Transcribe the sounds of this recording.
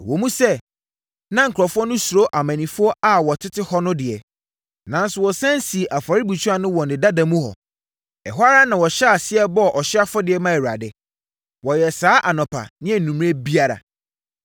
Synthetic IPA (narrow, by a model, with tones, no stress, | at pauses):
wɔ˨mũ˦sɛ˦ | nã˦ŋ̩˨kʰɾɔ˨fʊ˦ɔ˦nʊ̃˦su˨ɾo˦ʔa˨mã˨nĩ˨fʊ˦ɔ˦ʔa˨wɔ˨tʰɪ˦tʰɪ˦hɔ˦nʊ̃˦dɪ˨ɛ˨ | nã˨˦n˦sʊ˨wɔ˨sã˦n˦si˨ʔa˨fa˨ɾɪ˦bu˨t͡ɕʰu˦a˦nʊ̃˦wɔ˨nɪ̃˨da˦dã˨mũ˦hɔ̰˨ | ɛ̰˨ɦʷa˦ɾa˦nã˨wɔ˨ɕɛ˦a˨sɪ˦ɛ˦bɔ˦˨ʔɔ˨ɕɪ˦a˦fɔ˦dɪ˨ɛ˨˦mã˦ɛ˨wa̰˨dɛ˦ | wɔ˨jɛ˨saː˦ʔa˨nɔ̃˨pʰa̰˨nɪ̃˦ɛ˨nũ˨m˦ẽ˦bi˦a˦ɾa̰˨